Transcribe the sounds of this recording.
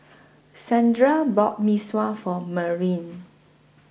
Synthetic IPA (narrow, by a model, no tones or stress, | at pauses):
sãndɹabɔt̚miswafɔməɹĩn